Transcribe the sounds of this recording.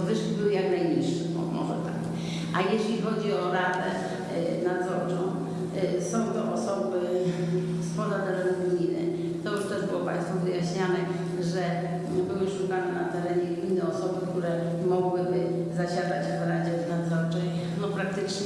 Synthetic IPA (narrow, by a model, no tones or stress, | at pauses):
vɘʂkʲibɘwɘjaknajɲiʂːɛmɔ̰mɔ̰ʐɛ̰t̪a̰k | ʔajeɕlʲixɔd͡ʑiɔɾad̪ɛ | nad̪zɔɾt͡ʂɔ̃w̃ | sɔ̃w̃t̪ɔʔɔsɔbɘ | spɔd̪ad̪ɛɾɛnuɡʲijnɛ̰ | t̪ɔjuʂt̪ɛʐbɘwɔpã̰j̃st̪fɔvɘjaɕɲanɛ | ʐɛ | bɘwɘʂukanɛna̰t̪ɛɾɛɲɛinːɛɔsɔbɘk̚t̪uɾɛ | mɔɡwɘbɘ | zaɕad̪at͡ɕ | ɾad͡ʑɛvnad̪zɔɾt͡ʂɛj | nɔpɾak̚t̪ɘt͡ʂɲɛ